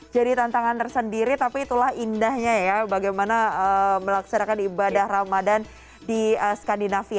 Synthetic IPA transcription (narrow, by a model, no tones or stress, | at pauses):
d͡ʒadit̪ant̪aŋant̪ərsəndiɾit̪apiːt̪ulahindahɲajabaɡajmanaəməlaksanakanibadahramadan | diəsə̥kandinafia